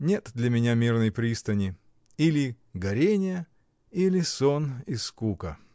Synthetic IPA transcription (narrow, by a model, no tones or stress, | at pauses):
nʲet̪d̪lʲɐmʲɪnʲamʲirnəjpɾʲist̪ənʲɪ | ilʲɪ | ɡɐɾʲenʲɪjə | ilʲɪsoniskukə